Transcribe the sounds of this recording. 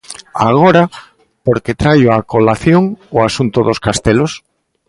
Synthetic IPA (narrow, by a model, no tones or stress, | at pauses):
aɣoɾa | poɾket̪ɾajoakolaθjoŋʊasunt̪ʊðoskast̪elos